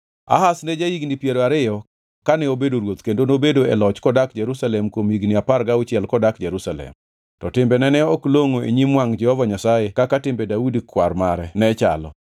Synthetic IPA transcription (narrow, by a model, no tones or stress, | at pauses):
a̰hasnɛd͡ʒajiɡnipjeɾoaɾɪjɔ | kanɛobedoɾwot̪kendonobedoɛ̰lɔt͡ʃkɔdakd͡ʒɛɾusalɛmkwomiɡnɪapaɾɡaʊt͡ʃɪɛlkɔdakd͡ʒɛɾusalɛ̰m | tɔtɪmbɛnɛnɛɔkloŋoḛɲimwaŋd͡ʒɛhɔvaɲasajekakatɪmbɛdaudikwaɾmaɾɛnɛt͡ʃa̰lɔ̰